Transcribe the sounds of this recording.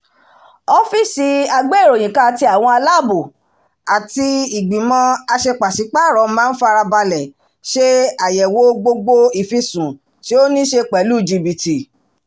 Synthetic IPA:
ɔ˦fi˦si˧a˧ɡ͡be˦˨ɾo˨j̃ĩ˨kã˦a˨ti˧a˨w̃ɔ̃˧a˧la˦˨bu˨ | a˨ti˧i˨ɡ͡bĩ˨mɔ̃˧a˧ʃe˧k͡pa˨si˨˦k͡pa˦˨ɾɔ˨˦mãː˦n̩˦fa˧ɾa˧ba˧lɛ˨ | ʃe˦a˨jɛ˨wo˨˦ɡ͡bo˧ɡ͡bo˧i˨fi˧sũ˨ | ti˦o˦nĩ˦ʃe˧k͡pɛ˨lu˦˨d͡ʒi˧bi˨ti˨

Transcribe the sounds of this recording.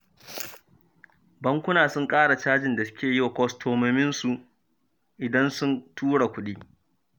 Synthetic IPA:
bɐ˦ŋkʷʊ˦naː˨sʊ˦ŋkʼaː˦ɽa˨t͡ʃaː˦d͡ʒɪ˨nda˨sʊ̥˦kʲeː˨jɪ˦wa˨kʷɔ˦stʰoː˨mɐ˦mɪ˦nsu˨ʔ | ʔɪ˨dɐ˦nsʊ˦ntʰuː˦ɽa˨kʷʊ˦ɗiː˦

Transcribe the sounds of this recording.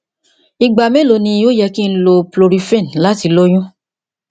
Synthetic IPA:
i˧ɡ͡ba˨mẽ˦lo˧nĩ˧jo˦jɛ˧ki˦n̩˦lo˧plo˧ɾi˧˦fẽ˦˨n˨la˨˦ti˧lo˦j̃ũ˦

